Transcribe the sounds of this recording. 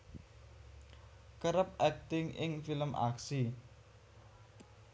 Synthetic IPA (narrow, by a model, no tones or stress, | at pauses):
kəɾəp̚ɛk̚t̪ɪŋʔɪŋfiləmʔa̰ksi